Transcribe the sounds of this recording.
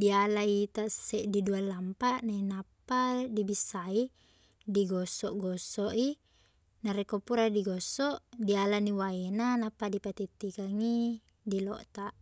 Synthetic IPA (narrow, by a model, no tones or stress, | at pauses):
dialait̪asːɛʔdidualampaʔnainapːadibisːai | diɡɔsːɔʔɡɔsːɔʔi | naɾekopuɾadiɡɔsːɔʔdialaniwaenanapːadipat̪it̪ːikaŋi | dilɔ̰ʔt̪aʔ